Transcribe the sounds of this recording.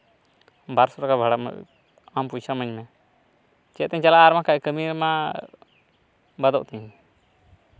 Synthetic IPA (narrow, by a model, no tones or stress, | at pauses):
baɾsɔɾakabʱaɽam̰ | ampujt͡ʃʰamə̃ɲmɛ | t͡ʃɛt̪ɛ̃ɲt͡ʃalaːɾmãkakəmiɾmã | bad̪ɔ̰ʔt̪ɛ̃ɲ